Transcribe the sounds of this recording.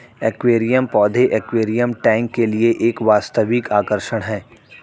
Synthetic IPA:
ekʋeːɾijəmpɔːd̪ʱeʔekʋeːɾijəmʈɛ̃ːŋkːelieʔeːkʋaːst̪əʋɪkaːkəɾʃəɽ̃ɦɛː

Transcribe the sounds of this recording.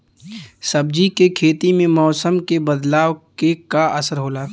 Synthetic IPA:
sɐb̚d͡ʒikekʰeːt̪imẽmɔːsəmkebəd̪laːʋkekaɐsəɾɦoːlaː

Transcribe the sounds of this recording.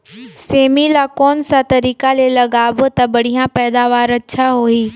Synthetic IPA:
seːmilakɔːnsat̪ɐɾiːkalelɐɡaːbt̪ɐbɐɽ̤ijãpɛːd̪aːʋaːɾɐtːʃʰaɦoːiː

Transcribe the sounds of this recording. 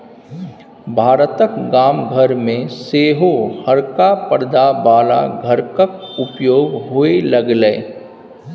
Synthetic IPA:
bʱaːɾət̪əkɡaːmɡʱəɾmẽseːɦohɐɾkapəɾd̪abaːla̰ɡʱəɾkək̚ʊpjoːɡɦoelɐɡleː

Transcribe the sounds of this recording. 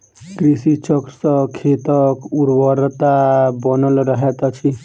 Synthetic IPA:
ɡɾisit͡ʃəkɾsəkʰːet̪əkuɾbəɾt̪abənəlɾəɦɛt̪t͡ʃʰi

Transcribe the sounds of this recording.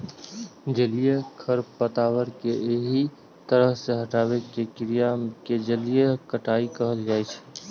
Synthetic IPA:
d͡ʒəlijekʰəɾpət̪aːwəɾkeeɦi | t̪əɾəɦseɦəʈaːwekekɪɾijamked͡ʒəlijekəʈaikəɦəld͡ʒaːɛt͡ʃʰ

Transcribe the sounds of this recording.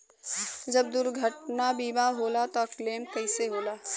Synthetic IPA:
d͡ʒɐb̚d̪ʊɾɡʱəʈnabiːmaɦoːlat̪ɔkleːmkɐɪseɦoːlaː

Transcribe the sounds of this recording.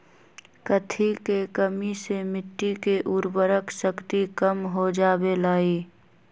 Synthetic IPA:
kət̪ʰikekəmisemɪʈːikeʔʊɾbəɾəksəkt̪ikəmɦod͡ʒaːbelaːiː

